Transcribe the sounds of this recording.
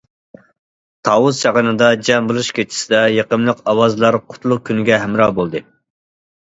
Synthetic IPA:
t̪ʰɑwuzʃɑʁənɨd̪ɑd͡ʒɛmbɨlˠuʃkʲʰet͡ʃʰi̥sɪd̪ɛjeqəmlˠəqɑwɑzɨlˠɑɾqʰʊ̥t̪lˠʊq̚kʲʰynɪɡʲɛɦæmɾɑbolˠd̪ɨ

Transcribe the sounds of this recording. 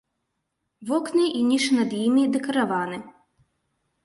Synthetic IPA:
ʋɔknɨʔinʲiʃnɐd̪jimid̪ekɐɾɐʋɑnɪ

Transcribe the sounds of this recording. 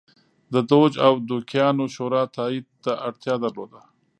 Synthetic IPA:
d̪əd̪od͡ʒawd̪ukjɑnoʃoɾɑt̪ɑid̪̚t̪aʔaɽt̪jɑd̪əɾlod̪a

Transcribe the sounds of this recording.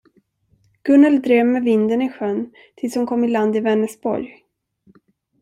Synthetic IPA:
ɡ̥ɵnɛld̪ɾeːvmɛvɪnd̪ənɪɧœn | t̪ʰɪlshʊnkʰɔmːɪland̪ɪvɛnːəsbɔ̰ɾj

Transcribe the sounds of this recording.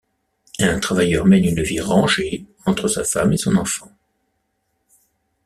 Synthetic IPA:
ɛ̃t̪χavajœʁmɛnynviʁɑ̃ʒeɑ̃t̪χəsa̰famesɔ̃nɑ̃fɑ̃

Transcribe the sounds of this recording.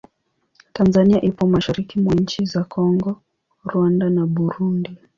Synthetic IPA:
tanzaniaʔipɔmaʃaɾikimwaɲ̩t͡ʃizakʰɔŋɡɔ | ɾwandanaɓuɾundi

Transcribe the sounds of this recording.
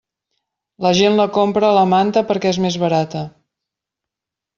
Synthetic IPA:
ləʒenləkompɾələmant̪əpəɾkɛezmezβəɾat̪ə

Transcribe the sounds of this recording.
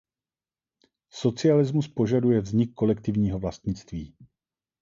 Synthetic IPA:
so̞t͡sɪalɪzmuspo̞ʒadujɛvzɲɪkːo̞lɛkt̪ɪvɲiːɦo̞vlast̪ɲɪt͡st̪viː

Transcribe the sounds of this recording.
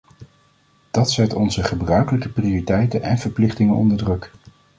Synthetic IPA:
d̥ɑtsɛtɔnzəχəbrœɥkələkəpriʊːritɛjtənɛnv̥əɹplɪχtɪŋənɔ̰ndəɹdrɵk

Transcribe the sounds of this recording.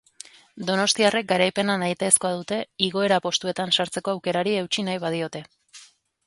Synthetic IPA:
d̪o̞no̞st̪iare̞k̚ɡaɾajpe̞nanajt̪eːsko̞að̞ut̪e̞iɣo̞e̞ɾapo̞st̪ue̞t̪ansaɾt͡se̞ko̞awke̞ɾaɾie̞wt͡ʃinajβað̞io̞t̪e̞

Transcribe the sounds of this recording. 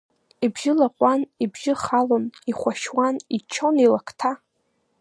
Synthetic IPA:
ibʒɪlaqʷʼanibʒɪχaloniχʷaʃwanit͡ʃʰonilakʰtʰa

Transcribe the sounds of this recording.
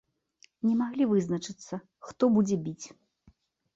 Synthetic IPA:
nʲɛmaɣlʲivɨznɐt͡ʂɨt̪sːɐ | xt̪ɔbud͡zʲɛbʲit͡sʲ

